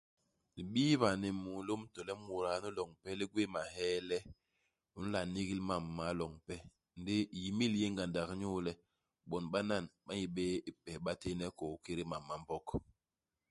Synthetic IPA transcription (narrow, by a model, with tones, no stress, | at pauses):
li˨ɓiː˦βa˨ne˨mu˨lo˦mtɔ˨lɛ˦mu˨ɾa˨˦nu˦lɔ˨ŋpɛ˦li˦ɡwe˦ma˨ɦɛ˦lɛ˦ | u˨n̩˦la˨ni˦ɣi˦lma˨mːa˨˦lɔ˨ŋpɛ˦ | n˦de˦˨ji˨mi˦lje˦ŋɡa˨nda˨kɲu˦lɛ˦ | ɓɔ˨nɓa˦na˦˨nɓa˦ji˦ɓɛ˦i˦pɛ˨ɓa˦te˦nɛ˦kɔ˨˦ke˦ɾi˦ma˨mːa˨m˦bɔ˦k